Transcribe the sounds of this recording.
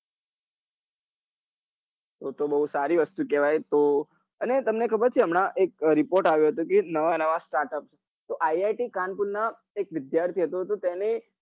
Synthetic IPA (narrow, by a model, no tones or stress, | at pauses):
t̪ot̪obəɦusaɾiʋəst̪ukɛʋajt̪o | ənet̪əmnekʰəbəɾt͡ʃʰiəmɳ̃aʔek̚ɾɪpoɾʈaʋjũɦət̪ũkenəʋanəʋasʈaɾʈəp̚t͡ʃʰ | t̪oʔaiajʈikanpunna | ek̚ʋɪd̪jaɾt̪ʰiɦət̪ũət̪ot̪ɛne